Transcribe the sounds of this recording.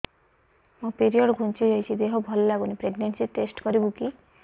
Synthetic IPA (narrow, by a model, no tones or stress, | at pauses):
mũpiɾiɔɖɡʱũnt͡ʃiɦɔjt͡ʃʰid̪eɦɔbʱɔllaɡunipɾeɡnensiʈesʈkɔɾibuki